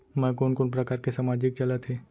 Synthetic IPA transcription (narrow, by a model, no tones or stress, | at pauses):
mɛ̃ːkoːnkoːnp̬ɾɐkaːɾkesaːmaːd͡ʒɪk̚t͡ʃɐlat̪ʰeː